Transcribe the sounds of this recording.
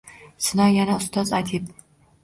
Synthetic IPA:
sɨnajanast̪ʰɔt͡sʼaːt̪ʰip̚ʰʼ

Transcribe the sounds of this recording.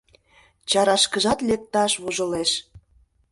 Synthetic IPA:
t͡ɕɑɾɑʃkəʒɑt̪lek̚t̪ɑʃβuʒə̆leʃ

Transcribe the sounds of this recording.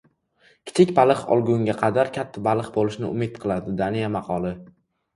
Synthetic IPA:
kʲʰɪ̥t͡ʃʰɪkʲbalˠɨqɒ̰lˠɡʲʊŋʲaqʰɑd̪aɾkʲʰat̪ʰːabalˠɨqbolɪʃnɪʊ̰mɪt̪̚qʰɨlˠad̪ɪd̪anijamɑqʰɒlˠɪ

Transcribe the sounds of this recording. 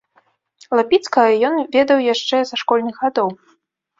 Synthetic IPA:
lˠapʲit̪skɐjɔnvʲɛd̪ɐwjaʂt͡ʂɛzaʂkɔlʲnɨɣɣad̪ɔw

